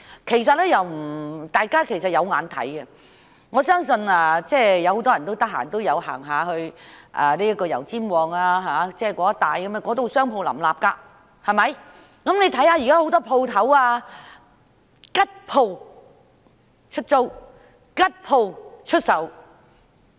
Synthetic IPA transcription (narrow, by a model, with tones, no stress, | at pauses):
kʰe˨˩js̬ɐ˨t̚lɛː˥jɐ˨wm̩˨˩t̪aː˨jkaː˥kʰe˨˩jsɐ˨t̚jɐ˨˧wŋaː˨˥nt̪ʰɐ̰˨˥jɡɐ˧ | ŋɔː˨˧sœː˥ŋsɵ˧naː˧t͡sɛː˥˩jɐ˨˧who˨˥wt̪ɔː˥jɐ˨nt̪o˥wt̪ɐ˥k̚ɦa̰ː˨˩t̪o˥wjɐ˨˧wha̰ː˨˩ŋɦaː˨˧hɵ˧ɥʔaː˨˩liː˥jɐ˥kɔː˧jɐ̰˨˩wt͡siː˥mwɔː˨˧ŋaː˧ɦaː˨˧t͡sɛː˥kɔː˨˥ɐ˥t̪aː˨˧jkɐ˨˥ma˧kɔː˨˥t̪o˨wsœː˥ŋpʰo˧wlɐ̰˨˩mlaː˨p̚kaː˧ | hɐ˨˩mɐ˨˧j | kɐ˨˥mne˨˧jt̪ʰɐ˨˥jhaː˧ji˨kaː˥ho˨˥wt̪ɔː˥pʰo˧wt̪ʰɐ˨˥waː˧ | kɐ˥t̚pʰo˧w | t͡ʃʰɵ˥t̚t͡so˥w | kɐ˥t̚pʰo˧wt͡ʃʰɵ˥t̚sɐ˨˥w